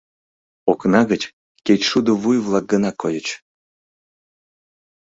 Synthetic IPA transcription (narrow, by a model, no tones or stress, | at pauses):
oknɑɣət͡ɕ | kʲet͡ɕʃud̪əβujvlˠɑk̚ɡənɑkːojət͡ɕ